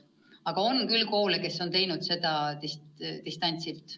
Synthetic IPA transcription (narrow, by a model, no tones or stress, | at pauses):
ɑɡ̥ɑo̞nkylko̞ːleke̞sːo̞nt̪e̞jnud̪̥se̞d̪̥ɑt̪ist̪ist̪ɑnʲt̪silt̪ˑ